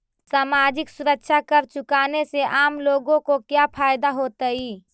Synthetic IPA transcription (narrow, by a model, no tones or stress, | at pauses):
saːmaːd͡ʒɪksʊɾəkʃʰakəɾt͡ʃʊkaːneseʔaːmloːɡõkokjapʰaːjd̪aɦoːt̪əiː